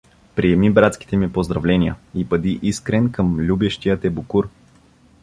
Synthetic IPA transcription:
pɾiɛmibɾat̪ski̥t̪ɛmipozd̪ɾɐvlɛnijəipɐd̪iʔiskɾɛnkəmlʲubɛʃt̪ijət̪ɛbukuɾ

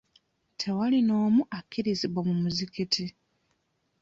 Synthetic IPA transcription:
tʰe̞walino̞ːmuʔakʰːiɾiziβomumuzikitʰi

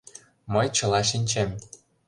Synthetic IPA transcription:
məjt͡ɕɤ̆lɑʃ̬inʲt͡ɕem

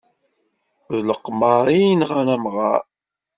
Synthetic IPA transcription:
ðləqːmaɾˤinʁanæmʁɑ̰ɾ

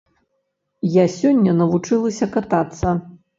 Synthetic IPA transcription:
jasʲɔnʲːɐnɐvut͡ʂɨlˠɐsʲɐkat̪at̪sːɐ

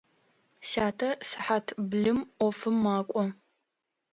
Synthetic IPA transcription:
ʃaːtʰɐsɨħatʰbɮɨmɔfɨmːaːkʷʼɔ

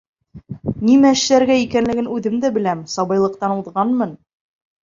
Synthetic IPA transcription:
nimæɘ̆ʃlæɾɡæikænlɘ̆ɡɘnʉðɘmd̪æbɘ̆læmsɑβɤ̆jlˠɤ̆q̚t̪ɑnuðʁɑnmɤn

